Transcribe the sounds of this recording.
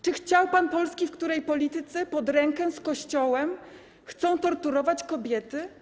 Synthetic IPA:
t͡ʂɘxt͡ɕawpanpɔlskʲifkt̪uɾɛjpɔlʲit̪ɘt̪sɛpɔd̪ɾɛŋkɛskɔɕt͡ɕɔwɛm | xt̪sɔ̃w̃t̪ɔɾt̪uɾɔvat͡ɕkɔbʲjɛt̪ɘ

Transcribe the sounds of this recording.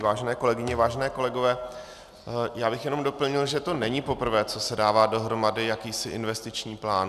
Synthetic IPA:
vaːʒɛnɛːko̞lɛɡɪɲɛvaːʒɛnɛːko̞lɛɡovɛː | jaːbɪxjɛno̞mdo̞pl̩ɲɪlʒɛt̪o̞nɛɲɪpo̞pr̩vɛːt͡so̞sɛdaːvaːdo̞ɦɾo̞madɪjakiːsɪʔɪnvɛst̪ɪt͡ʃɲiːplaːn

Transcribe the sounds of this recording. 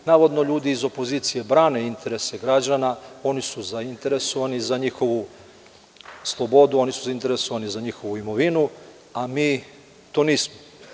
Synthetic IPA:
naːʋo̞d̪no̞ʎuːd̪iːzo̞po̞ziːt̪sije̞bɾaːne̞int̪e̞ɾe̞se̞ɡɾad͡ʑanao̞nisuzaint̪e̞ɾe̞so̞ʋanizaɲixo̞ʋu | slˠo̞bo̞d̪uo̞nisuzaint̪e̞ɾe̞so̞ʋanizaɲixo̞ʋuimo̞ʋinu | amiː | t̪oːniːsmo

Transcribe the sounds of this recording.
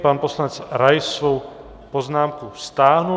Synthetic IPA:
paːnpɔslanɛt͡sɾajsʋow | pɔznaːmkust̪aːɦnu

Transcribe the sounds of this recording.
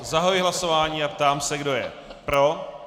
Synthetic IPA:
zaɦojɪɦlasovaːɲiːapt̪aːmsɛɡdo̞jɛ̰ | pɾo̞

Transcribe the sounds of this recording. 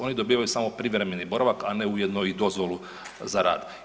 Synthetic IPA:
o̞nid̪o̞biːʋajusaːmo̞pɾiʋɾemenibo̞ɾaʋakane̞ujed̪noid̪o̞zʋo̞lu | zaɾa̰ːd̪

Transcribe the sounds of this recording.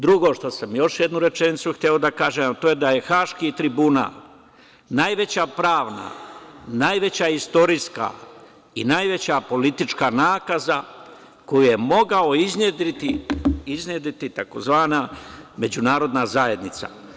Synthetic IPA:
d̪ɾuɡo̞ʃt̪o̞samjo̞ʃjed̪nuɾe̞t͡ʃenit̪suxt̪eod̪akaːʒemat̪oːjed̪aje̞xaːʃkiːt̪ɾibuna̰ːl | najʋe̞t͡ɕapɾaːʋna̰naːjʋe̞t͡ɕaist̪o̞ɾiska̰ | inajʋe̞t͡ɕapo̞lit̪it͡ʃkanaːkaza | kojije̞mo̞ɡao̞izned̪ɾit̪iiznjed̪it̪it̪ako̞zʋaːname̞d͡ʑunaːɾo̞d̪nazaje̞d̪nit̪sa̰

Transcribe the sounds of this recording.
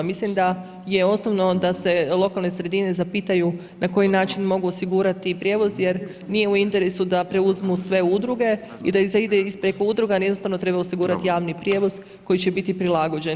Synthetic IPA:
mislimd̪a | je̞o̞snoʋno̞d̪ase̞lˠo̞kalˠne̞sɾe̞d̪ine̞zapit̪aju | nako̞jinaːt͡ʃinmo̞ɡuosiɡuɾat̪ipɾʲje̞ʋo̞zje̞ɾ | nije̞uint̪e̞ɾe̞sud̪apɾe̞uzmusʋe̞ud̪ɾuɡe̞ | id̪aizaid̪eispɾekoud̪ɾuɡajed̪not̪aʋno̞t̪ɾe̞baosiɡuːɾat̪ijaːʋnipɾje̞ʋo̞z̥ | ko̞jit͡ɕe̞bit̪ipɾilaɡo̞d͡ʑen

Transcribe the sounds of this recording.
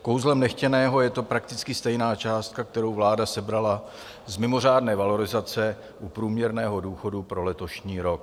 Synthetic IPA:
kowzlɛmnɛxcɛnɛːɦo̞jɛt̪o̞pɾak̚t̪ɪt͡skɪst̪ɛjnaːt͡ʃaːst̪̚kak̚t̪ɛɾo̞wvlaːdasɛbɾala | zmɪmo̞r̝aːdnɛːvalo̞ɾɪzat͡sɛ | ʔupɾuːmɲɛɾnɛːɦo̞duːxo̞dupɾo̞lɛt̪o̞ʃɲiːɾo̞k̚

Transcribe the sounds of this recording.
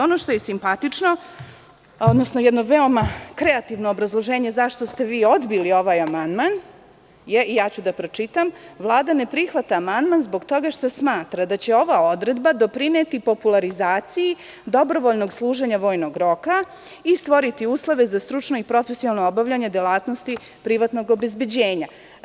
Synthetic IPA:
o̞no̞ʃt̪o̞jesimpat̪it͡ʂno̞ | od̪nosno̞jɛd̪noʋeo̞makɾeat̪iʋnoːbɾazlˠo̞ʒeːɲe̞zaʃt̪o̞st̪e̞ʋiːo̞d̪bilio̞ʋajamand̪man | jeijaːt͡ɕud̪apɾo̞t͡ʂit̪amʋlˠaːd̪ane̞pɾixʋat̪aːmand̪manzbo̞ɡt̪o̞ɡaʃt̪o̞smaːt̪ɾad̪at͡ɕe̞o̞ʋao̞d̪ɾe̞d̪bad̪o̞pɾinet̪ipo̞pulˠaɾizaːt̪siji | d̪o̞bɾo̞ʋo̞ʎno̞ɡslˠuːʒeɲaʋo̞ːjno̞ɡɾo̞ka | ist̪ʋo̞ɾit̪iuːslˠoʋe̞zast̪ɾut͡ʂno̞ipɾo̞fesialˠnoobaʋʎaɲe̞d̪jelaːt̪no̞st̪i | pɾiʋat̪no̞ɡo̞be̞zbed͡ʑeːɲa

